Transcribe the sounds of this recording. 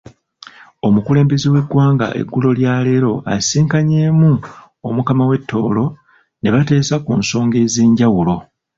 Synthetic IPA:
o̞mukule̞ːmbe̞ziwe̞ɡwaːŋɡa̰ʔe̞̰ɡːulo̞ljaːle̞ːɾo̞ʔa̰siːŋkaɲe̞ːmu | omukamawe̞tːo̞ːlo̞ | ne̞βate̞ːsakuːnso̞ːŋɡe̞ziːɲɟawulo̞

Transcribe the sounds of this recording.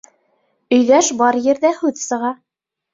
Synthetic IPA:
ɵ̆jðæʃbɑɾjɘ̆ɾðæhʉðsɤ̆ʁɑ

